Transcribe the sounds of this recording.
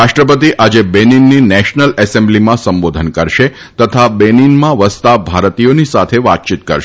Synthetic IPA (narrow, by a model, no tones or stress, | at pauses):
ɾaʃʈɾəp̬ət̪iʔad͡ʒebeninːinɛʃnəlɛsẽmblimãsəmbod̪ʱənkəɾʃe | t̪ət̪ʰabeninmãʋəst̪abʱaɾət̪ijonisat̪ʰeʋa̰t̪̚t͡ʃit̪̚kəɾʃe